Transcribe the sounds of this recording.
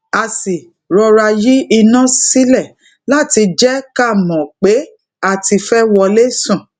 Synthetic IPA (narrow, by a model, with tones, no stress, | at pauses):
a˨si˨ | ɾɔ˧ɾa˧ji˦i˧nã˦si˦lɛ˦˨ | la˦˨ti˧d͡ʒɛ˦ka˦˨mɔ̃˨k͡pe˨˦ | a˦˨ti˧fɛ˦wɔ˧le˦sũ˦˨